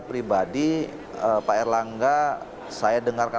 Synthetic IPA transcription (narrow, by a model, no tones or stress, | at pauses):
pɾibadi | əpaɛrlaŋɡa | sajadəŋarka